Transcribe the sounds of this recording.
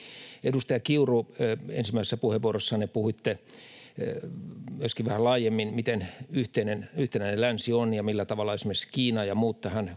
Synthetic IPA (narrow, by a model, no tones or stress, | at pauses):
edust̪ɑjɑkiuruḛnsimæˑisesːæpuheʋʋuorosːɑnepuhuit̪ːe | myøskiʋʋæhælɑːjemːinmit̪enyht̪einenyht̪enæinelænsionjɑmilːæt̪ɑʋɑlːɑesmerskiːnɑjɑmuːt̪ːɑhæn